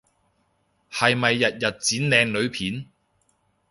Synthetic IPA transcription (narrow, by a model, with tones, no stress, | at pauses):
hɐ˨jmɐ˨jːɐ˨t̚jɐ˨t̚t͡siː˨˥nlɛː˨ŋlɵ˨˧ɥpʰiː˨˥n